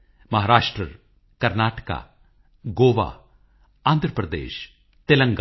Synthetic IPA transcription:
mɐɦaːɾaːʃʈɾəɾ | kɐɾnaːʈəka̰ː | ɡoːʋa̰ː | aːnd̪ɾəpɾəd̪ḛːʃ | t̪ɪlə̃ŋɡ

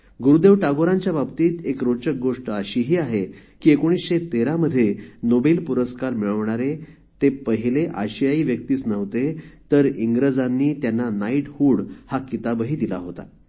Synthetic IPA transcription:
ɡuɾud̪eʋʈaɡoɾãɲt͡ɕjababt̪iːt̪ekɾot͡ɕək̚ɡoʂʈəəɕiːɦiːaɦekiːekoɽ̃isɕet̪eɾaməd̪ʱːjenobelpuɾəskaɾmiɭəʋɳaɾe | t̪epəɦileʔa̰ɕijaiːʋjək̚t̪iːt͡snəʋt̪et̪əɾiŋɡɾəd͡zanːiːt̪janːanaiʈhuːɽhakit̪abəɦiːd̪ila̰ɦot̪a̰

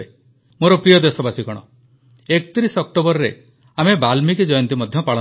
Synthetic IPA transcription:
e | moɾɔpɾijɔd̪esɔbasikɔɽ̃ɔ | ekt̪iɾisɔk̚ʈobɔɾɾe | amebalmiked͡ʒɔjɔnt̪imɔd̪ʱjɔpaɭɔ

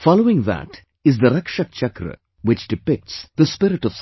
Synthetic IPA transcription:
fɑloːɪ̃ŋðæ̰ʈ | ɪzd̪əɾʌkʃək̚t͡ʃɐkɾə̰ | ʋɪt͡ʃɖɪpɪk̚ʈsd̪əspɪɾɪʈɔʋs

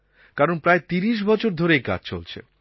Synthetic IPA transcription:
kaɾonpɾaet̪iɾiʃ̬bɔt͡ɕʰoɾd̪ʱoɾeka̰d͡ʑt͡ɕo̰lt͡ɕʰḛ

